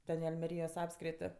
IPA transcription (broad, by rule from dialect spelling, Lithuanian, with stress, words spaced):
ˈtʲɛn ɪ ɐlʲmʲɛˈrʲiːjoːs ˈɑːpskrʲɪtʲɪ